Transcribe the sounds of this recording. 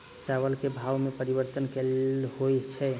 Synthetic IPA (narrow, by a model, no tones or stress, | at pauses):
t͡ʃaβəlkebʱawmepəɾibəɾt̪ənkelɦojt͡ʃʰɛ